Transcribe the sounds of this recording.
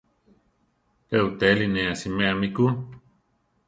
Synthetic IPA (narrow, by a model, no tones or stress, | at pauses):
peut̪elinẽasimẽamiku